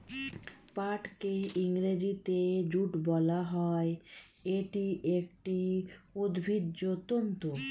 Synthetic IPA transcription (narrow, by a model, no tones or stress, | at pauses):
paʈkeiŋɾed͡ʑit̪ed͡ʑuʈbɔlaɦɔe | eʈiʔekʈiod̪bʱid̪ːot̪ont̪o